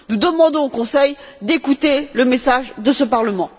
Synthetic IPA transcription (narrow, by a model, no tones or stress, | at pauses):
nud̪əmɑ̃d̪ɔ̃okɔ̃sɛjd̪ekut̪eləmesaʒd̪əsəpaʁləmɑ̃